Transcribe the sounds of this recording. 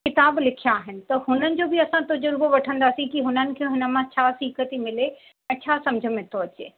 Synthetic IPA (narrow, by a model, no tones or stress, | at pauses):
kɪt̪aːblɪkʰijaːɦɪnɪ̆t̪ɐhʊnənɪ̆d͡ʑobɪɐsãt̪ɐd͡ʑʊɾboʋɐʈʰə̃nd̪aːsĩkiɦʊnənɪ̆kʰeɦʊnə̆mãt͡ɕʰaːsiːkət̪imɪle | ɛ̃ːt͡ɕʰaːsɐ̃md͡ʑʱəmẽt̪ʰoɐt͡ɕḛː